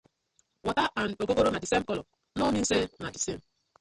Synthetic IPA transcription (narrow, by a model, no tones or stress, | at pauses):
wɔtaʔanokokoɾonadisem̩kɔlɔ | onin̩senadisem̩